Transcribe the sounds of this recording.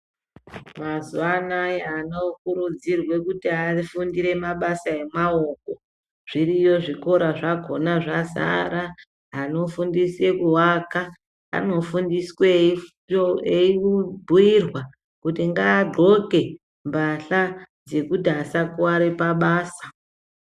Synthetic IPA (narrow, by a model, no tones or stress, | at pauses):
mazuanajanokuɾud͡zirwe̞kutiafundiɾe̞maɓasae̞mao̞ko̞ | ʐ̥irijo̞ʐiko̞ɾaʐaɡʱo̞naʐaza̰ɾaː | no̞fundise̞kuwaka | a̰nofundiswe | eiubʱuirwa | kutiŋɡaːɡʱo̞ke̞ | mbaɬad͡ze̞kutiasakuwaɾepaɓaːsḁ